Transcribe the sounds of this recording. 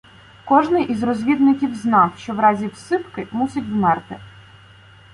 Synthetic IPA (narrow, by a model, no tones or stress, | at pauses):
kɔʒnɪjʔizrɔzʲʋʲid̪nɪkʲiwznɑwʃt͡ʃɔwɾɑzʲiwsɪpkɪmusʲɪtʲwmɛrt̪ɪ